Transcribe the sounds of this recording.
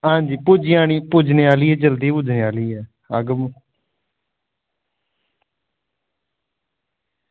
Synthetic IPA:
ɦãːɲd͡ʒiːpʊd͡ʒɪjaːñiːpʊd͡ʒneːaːliːɦɛːd͡ʒəld̪iːpʊd͡ʒneːaːliːɛː | aɡəm

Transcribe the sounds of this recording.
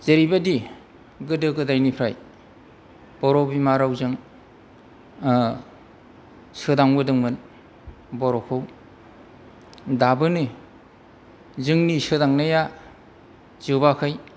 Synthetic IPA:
z̥eɾibadi | ɡɯdɯɡɯdajnipʰɾaj | b̥ɔɾɔbimaɾawzɯŋ | sɯdaŋbɯdɯŋmɯn | bɔɾɔkʰɯw | dabɯnɯ | zɯŋnisɯdaŋnaja | zɯbakʰɯj

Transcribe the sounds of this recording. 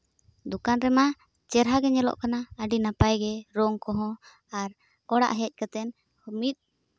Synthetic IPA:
d̪ukanɾɛma | t͡ʃɛɾɦaɡɛɲɛlɔ̰ʔkanaəɖinapajɡɛɾɔŋkɔɦɔ̃ | aɾ | ɔɽa̰ʔɦɛc̚ˀkat̪ɛn | hmit̪̚

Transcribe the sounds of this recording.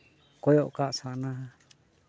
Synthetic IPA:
kojoʔkaʔsaʔnã

